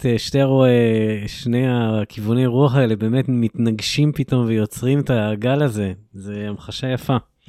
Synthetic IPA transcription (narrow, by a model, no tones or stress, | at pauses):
teʃteʁoeʃnejaakʰivunejʁuaχaelebe̞ːme̞tmit̪naɡʃimpito̞mvejo̞t͡sʁimetaɡalaze̞ze̞amχaʃajafa